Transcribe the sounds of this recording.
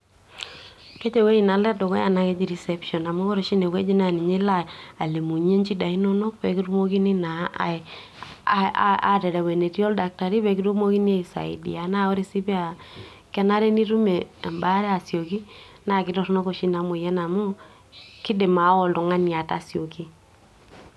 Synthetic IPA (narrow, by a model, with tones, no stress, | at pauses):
ke˦t͡ʃe˨we˦i˨na˨lɛ˦dɔ˨kɔ̰˦ja˨na˦ke˦d͡ʒi˨ɾi˨sɛ˦pʃɔ˨na˨mo˦kɔ˦ɾe˨ʃi˦ne˨we˦d͡ʒi˦na˨ni˨ɲi˦la˦a˨le˨mu˨ɲe˦nt͡ʃi˦da˨i˦nɔ˦no˦k̚pɛ̰˨ki˦ɾu˦mo˦ki˦ni˦na˨a̰˨ | a̰˨tɛ˨ɾɛ˨we˨ne˨ti˦ɔ˦lda˨k̚ta˨ɾi˦βɛ˨ki˦ɾu˦mo˦ki˦ni˦e˦i˨sa̰˨ḭ˨dḭ˨a˨na˦ɔ˦ɾi˦si˦pi˦a˨ | kɛ˦na˦ɾe˦ni˦ɾu˦me˨mba˦ɾɛ˦a˨sjo˨ki˦na˨kɪ˨˦tɔ˦ɾno˦ko˨ʃi˦na˨mo˨jɛ˦na˨mo˦ | ki˦de˨ma˨˦ɔ˨lɔ˨ŋa˦ni˨a˨ta˦˨sjo˨ki˦